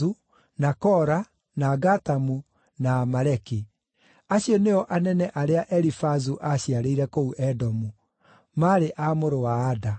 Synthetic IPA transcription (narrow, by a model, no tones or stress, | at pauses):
u | nakɔɾa | naɡatamu | namaɾɛki | aɕjɔneɔʔanɛnɛʔaɾeaʔɛɾifazuʔaɕiaɾeiɾɛkouʔɛdɔmu | maɾeʔamoɾowaːda